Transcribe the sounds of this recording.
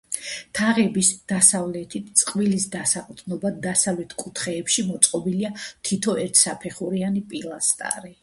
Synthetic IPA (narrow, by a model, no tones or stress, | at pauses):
t̪ʰaʁɛbisd̪̥asavlɛt̪ʰit̪ʰt̪sʼqʼvilisd̪asaqʼt̪ʰʼnɔbad̪asavlɛt̪ʰkʼut̪ʰχɛːpʃimɔt̪sʼqʼɔbiliat̪ʰit̪ʰɔʔɛɾt̪ʰsapʰɛχuɾianipʼilˠast̪ʼa̰ɾi